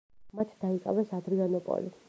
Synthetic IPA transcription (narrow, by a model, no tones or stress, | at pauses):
mat̪ʰd̪aikʼa̰vɛsad̪ɾianɔpʼɔ̰li